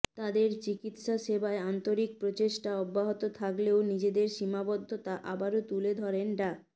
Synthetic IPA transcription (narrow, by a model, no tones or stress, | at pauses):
t̪ad̪eɾt͡ɕikit̪ʃaʃebaeant̪oɾik̚pɾot͡ɕeʃʈaɔbːaɦot̪ot̪ʰakleonid͡ʑed̪eɾʃimabɔd̪ʱːot̪aʔabaɾot̪uled̪ʱɔɾenɖa